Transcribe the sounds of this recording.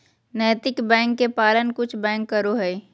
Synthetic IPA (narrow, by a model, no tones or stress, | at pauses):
nəːt̪ɪkbɛ̃ːŋkːepaːlənkʊt͡ʃʰbɛ̃ːŋkːəɾoɦɛi